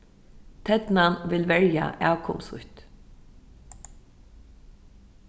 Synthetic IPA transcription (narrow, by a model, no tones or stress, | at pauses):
t̪ʰɛd̪nanʋɪlʋɛɹja̰ʔæːwkʰɔ̰msʊ̰ht̪